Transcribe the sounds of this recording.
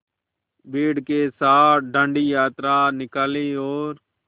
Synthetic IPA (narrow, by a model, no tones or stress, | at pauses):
biːɽkeːsaːɖʱə̃ɳɖiːjaːt̪ɾaːnɪkaːliːoːɾ